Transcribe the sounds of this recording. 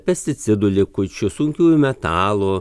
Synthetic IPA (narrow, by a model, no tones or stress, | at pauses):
pʲɛsʲt̪ʲɪt̪sʲɪd̪ʊlʲɪkʊt͡ʃʲʊsʊŋʲkʲuːjʊmʲɛt̪ɑːlˠʊ